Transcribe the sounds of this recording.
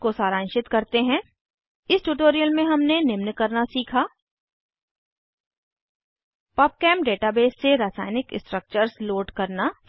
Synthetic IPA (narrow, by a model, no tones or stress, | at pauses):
kosaːɾãːnʃɪt̪kɐɾt̪eɦɛ̃ː | ɪsʈuːʈoːɾijəlmẽɦɐmnenɪmnkɐɾnasiːkʰaː | paːp̚kɛːmɖeːʈabeːsːeɾaːsa̰ːɪnɪkɪsʈɾək̚t͡ʃəɾsloːɖkɐɾna